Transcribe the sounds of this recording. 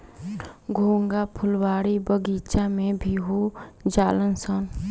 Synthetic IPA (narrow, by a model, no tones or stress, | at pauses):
ɡʱoːŋɡapʰʊlwaːɽibəɡiːt͡ʃamẽbʱiɦod͡ʒaːlənsən